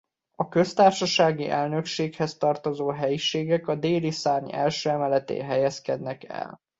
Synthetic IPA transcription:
ɒkø̞st̪aːrʃɒʃaːɡiʔɛlnø̞kʃeːkhɛst̪ɒrt̪o̞zoːɦɛjiʃeːɡɛkɒd̪eːlisaːrɲɛ̰lʃøːɛmɛlɛt̪ḛːɦɛjɛskɛd̪nɛkɛ̰l

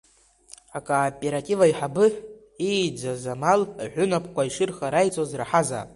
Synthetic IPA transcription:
akʼapʼe̞ɾatʼivaiħabɨħ | ejd͡zazamalʕʷʊnapʼʰkʷʰaiʂɨrχaɾajt͡sʼozraħaza̰

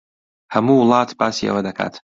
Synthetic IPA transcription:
hɐmuːwlˠɑːt̪ʰbaːsiʔɐ̰wɐd̪ɐkʰa̰ːt̪

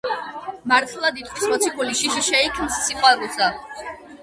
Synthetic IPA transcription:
maɾt̪ʰilˠad̪it̪ʼχʰʼwi̥smɔt̪sʰikʰuliʃiʃiʃɛikʰmssiqʼwaɾusa

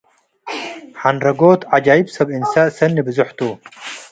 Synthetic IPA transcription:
ħanɾɐɡoːt̪ʕad͡ʒaːjibsɐbinsasɐnːibɨzuħt̪u

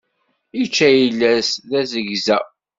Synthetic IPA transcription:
it͡ʃːæjilːæsðæzəʝzæ

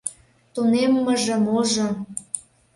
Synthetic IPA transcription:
t̪unemːəʒə̆moʒo

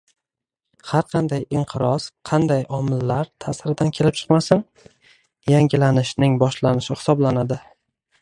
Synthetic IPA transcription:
haɾqʰɑnd̪ajɪɴqʰɨɾɒsqʰɑnd̪ajɒmɪlːaɾt̪ʰasɾɪd̪ankʲʰe̞lɪp̚t͡ʃʰɨ̥qmasɪŋ | jaŋʲɪlanɪʃnɪŋbɒʃlanɪʃɪhɪ̥sɒblanad̪ɪ

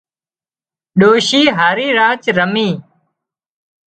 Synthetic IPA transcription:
ɗoːɕiːɦaɾiːɾaːt͡ɕɾəmiː

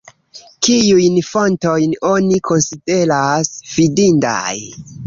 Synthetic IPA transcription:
kijujnfo̞nto̞jno̞nikʰo̞nside̞ɾasv̥idinda̰j

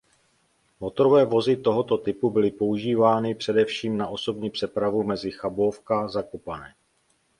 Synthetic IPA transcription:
mo̞t̪oɾovɛːvo̞zɪt̪o̞ɦo̞t̪o̞t̪ɪpubɪlɪpo̞uʒiːvaːnɪpr̝̥ɛdɛfʃiːmnaʔo̞so̞bɲiːpr̥ɛpɾavumɛzɪxabofkazakopanɛː

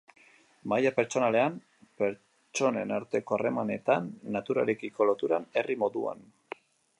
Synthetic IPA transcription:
majape̞ɾt͡ʃo̞nale̞am | pe̞ɾ | t͡ʃo̞ne̞̰naɾt̪e̞ko̞are̞mane̞t̪anːat̪uɾa̰lekiko̞lo̞t̪uɾane̞rimo̞ðua̰n

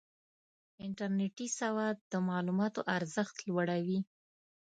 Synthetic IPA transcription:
ɪɳʈaɾneʈisawɑd̪̚d̪əmɑlumɑt̪oʔaɾzəxt̪lwaɽawi

